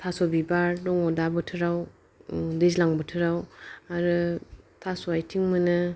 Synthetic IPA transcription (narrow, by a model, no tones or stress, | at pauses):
tʰasobibaɾdɔŋɔdabɯtʰɯɾaw | dezlaŋbɯtʰɯɾawaɾɯtʰasoajtʰiŋmɯnɯ